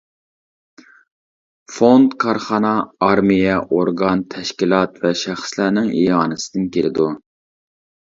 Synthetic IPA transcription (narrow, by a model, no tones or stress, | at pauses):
fond̪kʰɑɾχɑnɑːɾmijɛʔoɾɡɑnt̪ʰɛʃkʲilˠɑt̪vɛʃæχslænɪŋijɑːnɨsɪ̥d̪ɪnkʲʰeɾɪd̪u